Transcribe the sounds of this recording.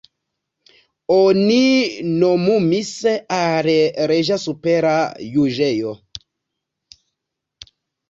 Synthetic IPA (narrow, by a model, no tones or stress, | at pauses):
oninomumiseʔaɾeɾeʒasupeɾajuʒejo